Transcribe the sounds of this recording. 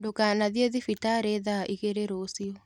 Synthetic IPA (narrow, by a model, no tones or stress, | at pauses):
dokanaðieðifitaɾeðaʔiɣeɾeɾosio